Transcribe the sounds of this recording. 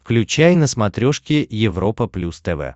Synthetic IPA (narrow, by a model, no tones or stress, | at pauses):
fklʲʉt͡ɕæjnəsmɐt̪ɾʲoʂkʲɪjɪvɾo̞pəplʲust̪ɛvɛ̰